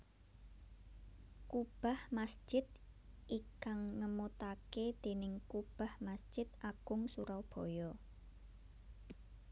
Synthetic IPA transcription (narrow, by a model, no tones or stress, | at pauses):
kub̥a̤hmasʒ̥ɪt̪̚ʔikaŋːəmot̪aked̪̥e̤nɪŋkub̥a̤hmasʒ̥ɪt̪̚aɡ̥ʊŋsuɾawb̥ɔ̤jɔ